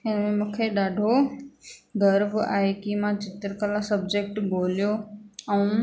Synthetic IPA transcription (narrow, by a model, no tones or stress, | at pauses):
ɪnmẽmũːkʰeɗaːɖʱo | ɡɐɾba̰ːɦekimãt͡ɕɪt̪ɪɾkəlasɐbd͡ʑek̚ʈboːlijoɛ̃ũ